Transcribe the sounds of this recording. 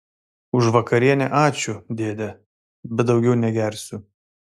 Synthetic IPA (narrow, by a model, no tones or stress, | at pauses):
ʊʃʋɐkɐɾʲiɛnʲɛʔɑːt͡ʃʲʊd̪ʲeːd̪ʲɛ | bʲɛt̪̚d̪ɒʊɡʲɛʊnʲɛɡʲɛˑɾʲsʲʊ